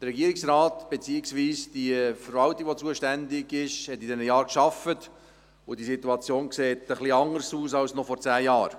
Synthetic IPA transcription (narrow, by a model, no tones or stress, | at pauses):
d̥̪ərɾɛɡiəɾɪksɾɑːtb̥et͡siːɪksʋiːsd̥iəfəɾvɑltiɡ̥ʋot͡suəʃtændɪɡɪʃhɛtːidɛnəjɑːɾkʃɑfət | ʊd̥isituɑt͡sjoːnkseːtəχliɑŋəɾsuːsɑlsnɔfɔɾt͡sæːjɑːɾ